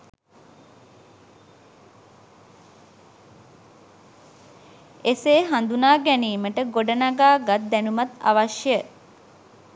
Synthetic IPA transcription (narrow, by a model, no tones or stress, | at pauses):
eseːɦand̪unaːɡɛniːməʈəɡoɖənaɡaːɡat̪̚d̪ænumat̪a̰ʋaʃjə